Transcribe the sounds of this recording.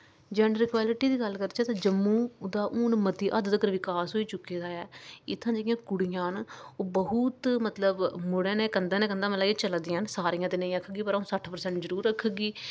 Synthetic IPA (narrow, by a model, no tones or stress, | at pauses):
d͡ʒɛːnɾɪkʋaːlɪʈiːd̪iːɡəlkəɾd̪t͡ʃʰɛːt̪ãːd͡ʒəmːuːd̪aːʔuːnmət̪iːʔəd̪d̪əkəɾʋɪkaːsɦoːiːt͡ʃʊkːeːd̪aːɛːɪt̪ʰːãːd͡ʒeːɪjãːkʊɽijãːnoːbəɦʊt̪mət̪ləbmʊɽẽːnẽːkənd̪eːnɛ̃ːkənd̪ãːməlaːɡet͡ʃəld̪ɪjãːnsaːɾijãːt̪eːnəĩːəkʰɡiːpəɾaũsəʈʰpəɾsɛ̃ːɳʈzəɾuːɾəkʰɡiː